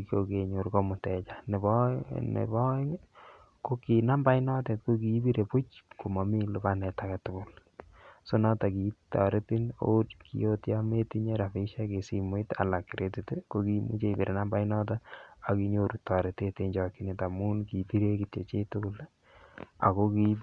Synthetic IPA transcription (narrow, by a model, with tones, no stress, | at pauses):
koke˨ɲo˨ɾko˦mʊ˨tɛ˨t͡ʃa˨ne˨bnḛbɔ˦ŋ | ko˦ki˨na˦mba˦inɔ˦te˨tko˦ki˨˦bi˦ɾe˨pu˦t͡ʃko˨mɔ˨mi˦lʊ˨ba˦nɛ˨takɛ˨tʊ˨kʊ˨l | so˦nɔ˦ta˨ki˨tɔ̰˨ɾe˦ti˦no̰˦tkḭ˦jo˦tja˦me˦ti˦ɲe˦ɾa˨fi˦ʃe˦ke˨si˨mwita̰˨la˨kːi˨ɾʔe˦ti˨te˦ko˦ki˦mṵ˦t͡ʃe˦i˨bi˨ɾʔe˨na˦mba˦jnɔ˦t̬a˦a˨ki˦ɲo˨ɾu˨ta˨ɾe˨te˦te˦ɲd͡ʒɔ˨ki˦ne˨ta˨mu˦nki˨bi˦ɾe˦kitḛ˨t͡ʃe˦tʊ˦kʊ˦l | a̰˨ko˦ki˦